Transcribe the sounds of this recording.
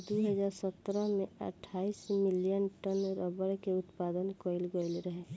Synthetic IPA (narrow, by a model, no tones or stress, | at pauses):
d̪uɦəd͡ʒaːɾsət̪ɾəmẽə̰ʈʰːaːismɪlijənʈənɾɔbəɾkeʊt̪paːd̪ənkoɪlɡoɪlɾəɦe